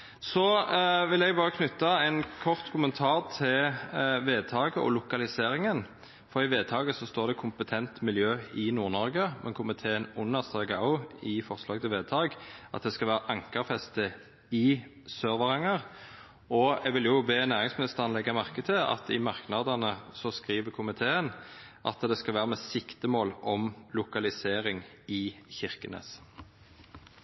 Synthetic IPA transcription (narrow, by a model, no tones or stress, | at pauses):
sɔʋɪlɛɡ̚bɑːʁəkʰnʉt̪ːɑɛnkʰɔʁt̪kʰʊmənt̪ʰɑːʁt̪ʰɪlʋeːd̪̚t̪ʰɑːɡəʔɔ̰lʊkɑlɪseːɾɪŋən | fɔʁɪʋeːd̪̚t̪ʰɑːɡəsɔst̪oːʁd̪ɛkʰʊmpət̪ʰɛnt̪mɪljøːɪnuːʁnɔɾɡəmʔɛ̰nkʰʊmɪt̪ʰeːənʊnəʁst̪ɑɡɑʊɪfɔʁslɑːɡt̪ʰɪlʋeːd̪̚t̪ʰɑːɡʔɑ̰t̪̚d̪ɛskɑʋæːɾɑʔɑŋkəʁfɛst̪ə | ɪ | søːʁʋəʁɛŋəʁ | ɔɛɡʋɪljʊbeːnæːʁɪŋsmɪnɪst̪əʁɑnlɛɡːɑmɑʁkət̪ʰɪɑ̰t̪ʰɪmɑʁknɑd̪ɑnəsɔskʁiːʋəkʰʊmɪt̪ʰeːənʔɑ̰t̪d̪ɛskɑlʋæːʁəmɛsɪkt̪əmoːlʔɔmlʊkɑlɪseːʁɪŋ | ɪçɪʁkənḛːs